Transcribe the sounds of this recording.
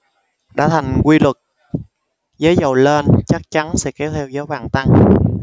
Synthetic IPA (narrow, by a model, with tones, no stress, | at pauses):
ɗa̰ː˧˥˩t̪ʰa˨˩jŋ̟kwi˧lwɨ˨˩k̚ | zəː˨˦jzə˨˩wle˧nt͡ɕa˦˥k̚t͡ɕa˨˦nsɛ̰˧˥kɛ˨˦wt̪ʰɛ˧wzəː˨˦jhwaː˧˩nt̪a˧ŋ